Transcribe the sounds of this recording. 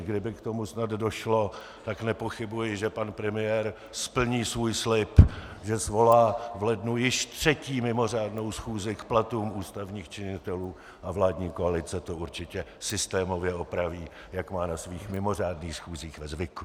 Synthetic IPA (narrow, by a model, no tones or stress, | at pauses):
ɡdɪbɪkt̪o̞musnad̪do̞ʃlo̞ | t̪aknɛpo̞xɪbujɪʒɛpanpɾɛmɪjɛːɾ | spl̩ɲiːsvuːjslɪpʒɛsvo̞laːvlɛdnujɪʃt̪r̝̥ɛciːmɪmo̞r̝aːdno̞wsxuːzɪkplat̪uːmuːst̪avɲiːxt͡ʃɪɲɪt̪ɛluː | ʔavlaːdɲiːkoalɪt͡sɛt̪o̞uɾt͡ʃɪcɛsɪst̪ɛːmo̞vjɛo̞pɾaviː | jakmaːnasviːxmɪmo̞r̝aːdniːxsxuːziːxvɛzvɪku